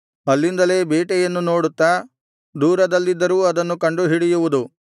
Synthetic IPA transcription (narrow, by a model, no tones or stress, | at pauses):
ɐlːind̪ɐle̞ːbeːʈɛjɐnːuno̞ːɽut̪ːaː | d̪uːɾɐd̪ɐlːid̪ːɐɾuːɐd̪ɐnːukɐɳɖuɦiɽijuʋud̪u